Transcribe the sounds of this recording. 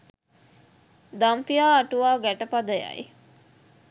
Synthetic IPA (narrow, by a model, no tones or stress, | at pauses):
d̪ampijaːʈuʋaːɡæʈəpad̪əja̰j̰